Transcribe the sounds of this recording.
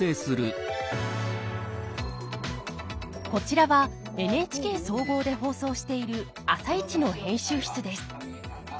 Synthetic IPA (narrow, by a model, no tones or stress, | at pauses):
eːsɨɾɯ̟ | ko̞t͡ɕiɾaβa | e̞nɯ̟e̞ːt͡ɕi̥ke̞ːso̞ːɡo̞ːd̪e̞ɦo̞ːso̞ːɕi̥t̪e̞iɾɯ̟ | asait͡ɕino̞hẽ̞ɰ̃ɕɨːçi̥t͡sɨd̪e̞sɨ̥